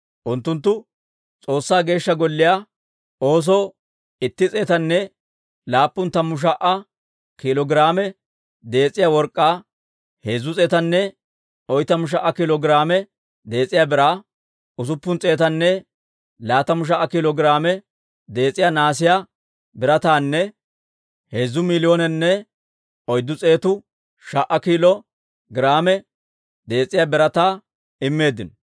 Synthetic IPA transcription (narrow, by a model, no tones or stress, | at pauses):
ʔʊnt̪ːʊnt̪̬ːʊ | t͡sʼo̞ːsːaːɡe̞ːʃːɐɡɔlːɪjaː | oːs̬ɔː | ɪt̪ːɪt͡sʼeːt̪ɐnːɛ | laːpːʊnt̪ɐmʊʃ̬ɐʔɐ | kɪlɔɡɾaːmɛ | d̪e̞ːt͡sʼːɪjaːwɔɾkʼːaː | heːzʊt͡sʼeːt̪ɐnːɛ | ɔjt̪ɐmʊʃ̬ɐʔɐkɪlɔɡɪɾaːmɛ | d̪e̞ːt͡sʼɪjaːbɪɾaː | ʊs̬ʊpːʊnt͡sʼeːt̪ɐnːɛ | laːt̪ɐmʊʃ̬ɐʔːɐkiːlɔɡɾaːmɛ | d̪e̞ːt͡sʼːɪjaːnaːs̬ɪjaː | bɪɾɐt̪aːnːɛ | heːzːʊmɪlɪjoːnɛnːɛ | ɔjd̪ːʊt͡sʼe̞ːt̪ʊ | ʃɐʔːɐkiːlɔ | ɡɪɾaːmɛ | d̪e̞ːt͡sʼːɪjaːbɪɾɐt̪aː | ɪmːe̞ːd̪ːɪnɔ